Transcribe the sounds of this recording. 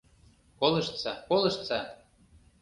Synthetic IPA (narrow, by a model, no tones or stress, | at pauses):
kolɤ̆ʃt̪t͡sɑkolɤʃt̪t͡sɑ